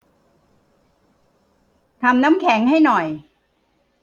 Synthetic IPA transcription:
t̪ʰa˧mnaː˦˥mkʰɛː˩˦ŋɦa˥˩jnɔ˨˩j

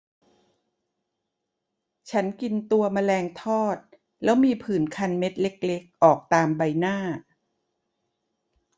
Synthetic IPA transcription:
t͡ɕʰa˦˥nki˧nt̪u˧ɐma˧lɛː˧ŋt̪ʰɔː˥˩t̪̚ | lɛː˦˥wmiː˧pʰɯː˨˩˦nkʰa˧nme˦˥t̪̚le˦˥k̚le˦˥k̚ʔɔː˨˩k̚t̪aː˧mba˧jnaː˥˩

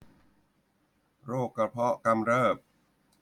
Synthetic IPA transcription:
ɾoː˥˩kːa˧˩pʰɔ˦˥ʔka˧mɾɤː˥˩p̚

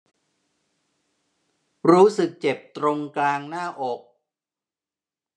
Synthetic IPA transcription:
ɾuː˦˥sɯ˨˩k̚t͡ɕe˨˩p̚t̪ɾo˧ŋklaː˧ŋnaː˥˩ʔo˨˩k̚

